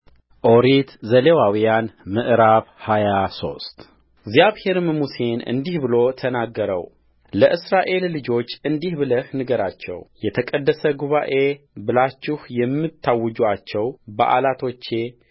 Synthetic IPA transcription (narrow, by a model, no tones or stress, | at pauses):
ʔo̞ɾit̪zəlewawijanmɨʔɨɾaβhajaso̞st̪ | ɡzjaβhe̞ɾmmuse̞nɨ̰nd̪ihbɨlo̞t̪ʰənaɡːəɾə̰w | ləʔɨsɾaʔe̞lːɨd͡ʒo̞t͡ʃːɨnd̪ihbɨləhnɨɡəɾat͡ʃːɛ̰wjɛt̪ʰəkʼəd̪ːəsəɡuβa̰ʔe̞ | bɨlat͡ʃːɪhjɛmːɨt̪ʰːawːɨd͡ʒuat͡ʃːɛwbə̰ʔa̰lat̪ʰo̞t͡ʃːe̞